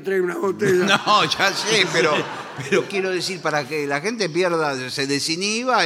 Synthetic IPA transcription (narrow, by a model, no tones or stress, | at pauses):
t̪ɾajunaβot̪eʒanoʒasepeɾo | peɾokjeɾoðesiɾpaɾakelaxent̪̬epjeɾðaseðesiniβa